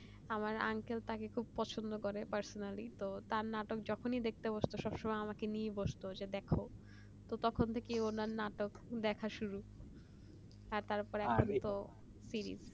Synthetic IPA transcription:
amaɾa̰ŋkelt̪akekʰub̚pɔt͡ɕʰond̪okoɾepaɾsonalit̪ot̪aɾnaʈok̚d͡ʑɔkʰonid̪ek̚ʰt̪eboʃt̪oʃɔbʃɔmajamakenieboʃt̪od͡ʑed̪ɛkʰo | t̪ot̪ɔkʰont̪ʰekeonaɾnaʈokd̪ɛkʰaʃuɾu | aɾt̪aɾpɔɾɛkʰont̪o | siɾḭz

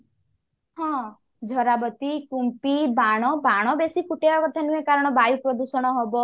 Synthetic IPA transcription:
hɔ̃ | d͡ʒʱɔɾabɔt̪ikumpibaɽ̃ɔbaɽ̃ɔbesikuʈeɔkɔt̪ʰanuekaɾɔɽ̃ɔbajupɾɔd̪usɔɽ̃ɔɦɔbɔ

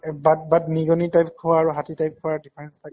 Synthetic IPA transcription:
bat̚batniɡɔnitajp̚kʰʊwaːɹuɦatitajp̚kʰʊwadipʰaɹɛnstʰa

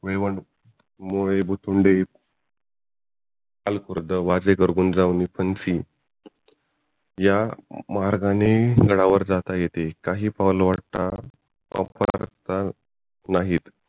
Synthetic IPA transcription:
ʋeʋəɳ | moɭebʱut̪uɳɖe | alkuɾd̪əʋad͡zekəɾɡuːnd͡zaʋnipʰənsi | jamaɾɡaneɡəɽaʋəɾd͡zat̪ajet̪ekaɦiːpaʋlʋaɽt̪a̰ | ə̰pəɾa̰ɾt̪a | naɦiːt̪

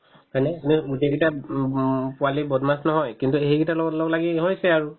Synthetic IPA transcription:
hɔnɛnuudeɡita | pʊalibɔdmasnɔɦɔjkintuɦejɡitalɔɡɔtlɔɡɔlaɡiɦojsɛaɹu

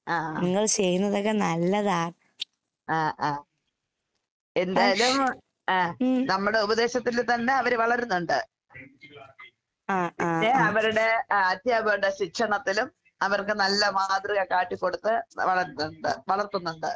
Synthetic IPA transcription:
aːniŋːɐɭt͡ɕe̞junːɐðok̬ːenɐlːɐðaːɳ | aːʔaː | e̞nd̪aːjlum | aːnɐmːuɽe̞ubɐðe̞ːɕɐt̪ːilt̪ɐnːe̞ɐʋɐɾʋɐɭɐɾunːuɳɖɨ | aːpːnːeɐʋɐɾuɽe̞ɐt̪jaːbɐɖɐɕikʂɐɳɐt̪ːilum | ɐʋɐrkɨnɐlːɐmaːd̪riɣɐkaːʈːikːo̞ɽut̪ːɨʋɐɭɐɾunːuɳɖɨ̰ʋɐɭɐrt̪ːunːuɳɖɨ

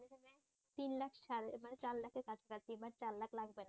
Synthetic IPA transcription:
ekʰane | t̪inlakʰʃaɾemanet͡ɕallakʰeɾkat͡ɕʰekat͡ɕʰt̪inbak̚t͡ɕaɾlakʰlaɡbena

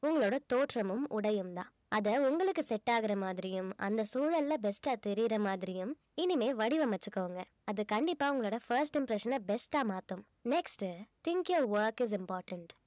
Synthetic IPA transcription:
ʊŋɡɐɭoːɽɐt̪oːʈɾɐmɯmʔʊɽɐjɯmt̪ã̰ː | ɐðɐʊŋɡɐɭɯkːɯsɛʈːaːɣɪɾɐmaːðɪɾɪjɯmɐ̰nd̪ɐsuːɻɐlːɐbɛsʈaːt̪ɛɾɪjɪɾɐmaːðɪɾɪjɯm | ɪnɪmeːʋɐɽɪʋɐmɐt͡ʃːɯkːɐʋɐŋɡɐ | ɐðɯkɐɳɖɪpːaːʊŋɡɐɭoːɽɐfɐɾsʈɪmpɾɛʂɐnɐbɛsʈaːmaːt̪ɯm | nɛksʈt̪ɪŋkɐʋʋɐɾkɪz̬ɪmpaːɾʈɐɳʈ

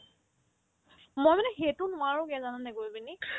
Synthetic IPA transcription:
mojmanɛxetʊnʊwaɹʊkɛzananɛɡojbini

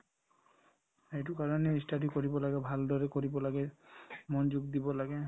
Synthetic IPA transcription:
ejtʊkaɹɔnɛistadukoɹibɔlaɡɛbʱaldɔɹɛkoɹibɔlaɡɛmɔnd͡ʒuɡd̪ibɔlaɡɛ

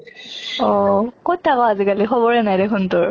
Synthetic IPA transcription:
ɔkot̚tʰːakɔazikalixʰɔbɔɹɛnajdekʰuntʊɹ

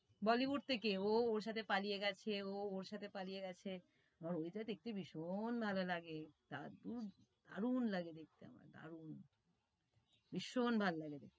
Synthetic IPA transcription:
bɔlibuɾt̪ʰekeooɾʃ̬at̪ʰepalijeɡɛt͡ɕʰeooɾʃat̪ʰepalijeɡɛt͡ɕʰe | aaɾoid͡ʑat̪ek̚ʈibiʃonbʱalolaɡet̪ad̪ud̪a̰ɾunlaɡed̪ek̚t̪ea̰ma̰ɾd̪a̰ɾun | biʃːonbʱalolaɡed̪ek̪̚

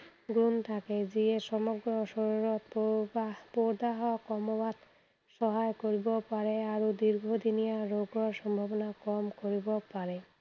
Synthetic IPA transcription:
ɡɾunt̪ʰaked͡ʑieʃɔmoɡɾoʃɔɾɾot̪ | poɾd̪aɦɔakɔmobat̪ | ʃɔɦaekoɾibopaɾeaɾod̪iɾɡʱod̪inijaɾoɡoɾʃɔmbʱabonakɔmkoɾibopaɾe

